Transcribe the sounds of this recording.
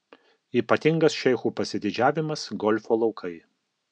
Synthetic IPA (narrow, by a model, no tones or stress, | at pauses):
iːpɐt̪ʲɪŋɡɐsʃʲɛɪxuːpɐsʲɪd̪ʲɪd͡ʒʲæːʋʲɪmɐsɡɔlʲfoːlˠɒʊkʰɐɪ